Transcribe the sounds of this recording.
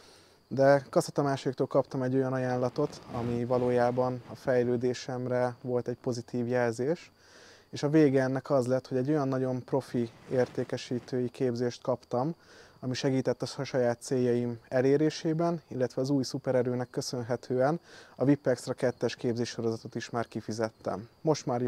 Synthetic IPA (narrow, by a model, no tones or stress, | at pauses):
d̪ɛkɒsit̪ɒmaːʃoɾik̚t̪oːlkɒpt̪ɒmɛɟːo̞jɒnɒjaːnlɒt̪o̞t̪ɒmivɒloːjaːbɒnɒfɛjløːd̪eːʃɛmrɛvo̞lt̪ɛcpo̞zit̪ʰiːvjɛlzeːʃ | eːʃɒveːɡɛɛnːɛkɒzlɛt̪ho̞ɟɛɟːo̞jɒnːɒɟo̞mpro̞fieːrt̪eːkɛʃiːt̪øːjikeːbzeːʃt̪kɒpt̪ɒmɒmiʃɛɡiːt̪ɛt̪ːɒʃɒjaːt̪seːjːɒjimɛleːɾeːʃeːbɛnilːɛt̪ʋɛɒzuːjsupɛɾɛɾøːnɛkːø̞sø̞nɦɛt̪ʰøːɛnɒvipːɛksrɛkɛt̪ːɛʃkeːbzeːʃʃo̞ɾo̞zɒt̪o̞t̪iʃmaːrkifizɛt̪ːɛ̰mːo̞ʃt̪maːrj